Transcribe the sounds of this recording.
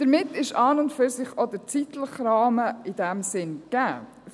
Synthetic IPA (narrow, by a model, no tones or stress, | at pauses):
d̥əɾmɪtːɪʃɑːnʊntfyɾsɪχɔd̪əɾt͡sit̪ləχɾɑːməɪdæmsɪnɡ̥æː